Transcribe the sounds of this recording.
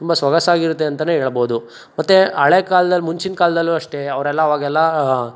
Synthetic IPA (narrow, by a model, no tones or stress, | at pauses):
t̪umbɐsʋɐɡɐsaːɡiɾut̪ːe̞ɐnt̪ɐneɦeːɭɐboːud̪u | mɐt̪ːeɐɭekaːlɐd̪ɐlːmuɲt͡ʃinkaːlɐd̪ɐlːuɐʂʈe̞ɐʋɐɾɛlːɐːʋaːɡɛlːɐ